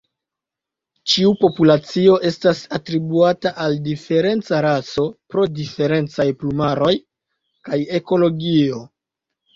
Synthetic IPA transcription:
t͡ʃiupo̞pulat͡sio̞ʔe̞stasatɾibuataʔaldife̞ɾe̞nt͡saɾaso̞pɾo̞dife̞ɾe̞nt͡sajplumaɾo̞j | kaje̞ko̞lo̞ɡio̞

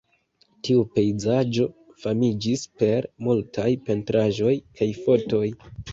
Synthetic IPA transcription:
tiupe̞jzad͡ʒo̞ | famid͡ʒispe̞ɾmultʰajpe̞ntɾaʒo̞jkajfo̞to̞j

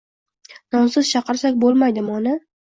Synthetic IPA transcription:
nɒnsɪz̥t͡ʃʰɑqɨɾsakʲbolˠmajd̪ɪmɒnɪ

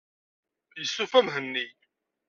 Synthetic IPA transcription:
jəsːufæmɦənːi

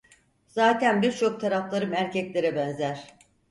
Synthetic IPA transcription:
z̥aːt̪ʰænbiɾt͡ʃʰo̞k̚t̪ʰaɾaflˠaɾɯmæɾcɛclʲe̞ɾɛbɛnzæɾ̥

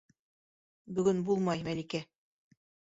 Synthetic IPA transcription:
bɵ̆ɡɵnbulˠmɑjmælikæ

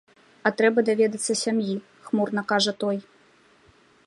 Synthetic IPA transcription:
ɐt̪ɾɛbɐd̪avʲɛd̪ɐt̪sːɐsʲamji | xmurnɐkaʐɐt̪ɔj

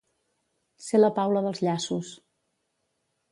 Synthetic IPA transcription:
seləpawləðəlˠzʎasus

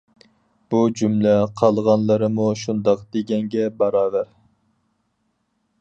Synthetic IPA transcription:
b̥ud͡ʒumlɛqʰɑlˠʁɑnlˠəɾɨmuʃund̪ɑqd̪̥eɡʲɛŋɡʲɛbɑɾɑːvæɾ

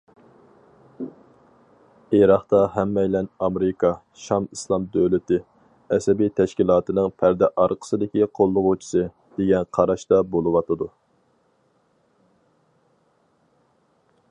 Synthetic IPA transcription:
iɾɑχt̪ɑɦɛmːɛjlɛnɑmɾɪkʰɑ | ʃɑmislˠɑmd̪øwlɪt̪ɪ | ɛsɛbit̪ʰɛʃkʲilˠɑːt̪ɨnɨŋpʰæɾd̪ɛʔɑɾqʰə̥sɨd̪ɪkʲiqʰolˠːʊʁut͡ʃʰi̥sɨ | d̪̥eɡʲɛnqʰɑɾɑʃt̪ɑbolˠɨwɑt̪ʰɨd̪u

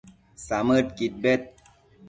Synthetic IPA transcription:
saməʈkit̪̚bet̪̚

